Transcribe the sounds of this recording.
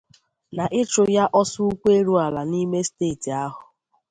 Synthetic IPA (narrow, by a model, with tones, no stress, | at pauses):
na˨ʔɪ˦t͡ʃʊ˨ja˦ʔɔ˦sʊ˦u˦kʷe˦ɾu˦a˨la˨ni˦me˦steː˦˨ti˨a˦ɦʊ˨